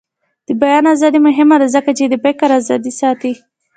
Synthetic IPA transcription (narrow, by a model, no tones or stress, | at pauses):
d̪̥əbajɑnazɑd̪imʊɦɪmad̪azəkat͡ʃed̪əbekaɾazɑd̪isɑt̪i